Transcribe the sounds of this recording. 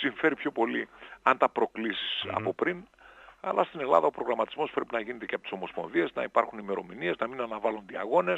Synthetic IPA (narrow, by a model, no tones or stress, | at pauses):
siɱfe̞ɾipço̞po̞liɐnt̪ɐpɾo̞klisi̥sɐ̰po̞pɾinɐ̰lɐst̪ine̞lɐðɐo̞pɾo̞ɣɾɐmɐt̪izmo̞spɾe̞pinɐʝine̞t̪e̞ceɐpot̪isomo̞spo̞nðie̞znɐ̰ipɐɾxunime̞ɾo̞minie̞znɐminɐnɐvɐlund̪iɐɣo̞ne̞s